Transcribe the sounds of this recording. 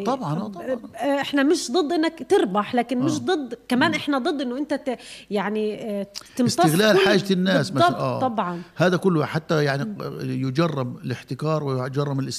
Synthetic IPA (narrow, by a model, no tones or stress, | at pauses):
t̪ˤɑbʕɑnːt̪ˤɑʔɪħnamɪʃd̪ˤɨd̪ˤːʔɪnːakt̪ɪɾbaħlaːkɪnmɪʃ̬d̪ˤɨd̪ːkamaːnʔɪħnad̪ˤɨd̪ˤːʔɪnːʊʔɪnt̪ajaʕniʔ̪ɪmstst̪ɪɣlaːlħaːd͡ʒanːaːsmaʔaːt̪ːˤɑbʕɑnhaːðakʊlːħat̪ːajaʕnijʊd͡ʒɑrˤːɑbɪlɪħt̪ɪkɑːɾˤwɪjd͡ʒɑrˤːɑmɪlʔɪs